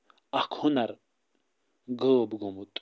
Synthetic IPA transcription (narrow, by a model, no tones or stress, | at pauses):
ɐkʰunɐɾ | ɡoːbɡomut̪ʼ